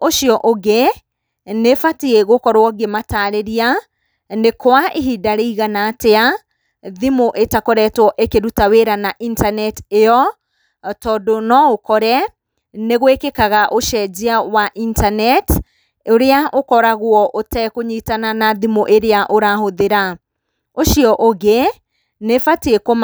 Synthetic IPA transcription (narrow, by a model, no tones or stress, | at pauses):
oʃiɔʔoɡe | nefatieɣokɔɾwɔɡemataːɾeɾia | nekwaʔeɦidaɾeiɣanatea | ðimoʔetakɔɾɛtwɔʔekeɾutaweɾanaʔintanɛteɔ | tɔːdonɔokɔɾɛ | neɣwekekaɣaʔoʃɛd͡ʑiawaʔintanɛt | oɾeaʔokɔɾaɣwɔʔotɛkoɲitananaðimoʔeɾeaʔoɾahoðeɾa | oʃiɔʔoɣe | nefatekom